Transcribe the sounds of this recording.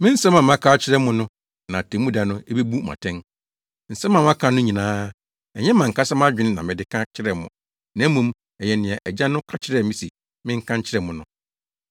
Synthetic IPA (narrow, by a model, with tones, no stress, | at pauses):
mɪ̃˦n̩˦sɛ˦mã˨m˦ã˦kʰaː˦t͡ɕʰɪ˦ɾɛ˦mʊ̃˦nʊ̃˦ | nã˨tʰɛ˨˦mũ˦da˨nʊ̃˦e˦be˦bu˦ma̰˨tʰɛ̃˦n | n̩˨sɛ˦mã˨mã˦kʰã˨nʊ̃˦ɲĩ˨nãː˦ | ɛ˨ɲɛ˦mã˨ŋ̩˨kʰa˦sɛ˦m˦a˦d͡ʑᶣɪ̃˦n˦nã̰˨mɪ̃˨dɪ˦kʰã˦t͡ɕʰɪ˦ɾɛ˨mʊ̰̃˨ | nã˨˦mũ˨˦m | ɛ˨jɛ˨nɪ̃˨ɛ˨ʔɛ˨d͡ʑa˦nʊ̃˦kʰa˦t͡ɕʰɪ˦ɾɛ˨mɪ̃˦si˨ | mɪ̃˦ŋ̩˦kʰã˦ɲ˦t͡ɕʰɪ˦ɾɛ˨mʊ̃˨nʊ̃˨˦